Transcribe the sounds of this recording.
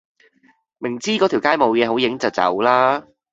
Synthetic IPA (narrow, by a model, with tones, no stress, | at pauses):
mɪ˨˩ŋt͡siː˥kɔː˨˥t̪ʰi˨˩wkaː˥jmo˨˧wjɛː˨˧ɦo˨˥wjɪ˨˥ŋt͡sɐ˨˩wt͡sɐ̰˨˥wlaː˥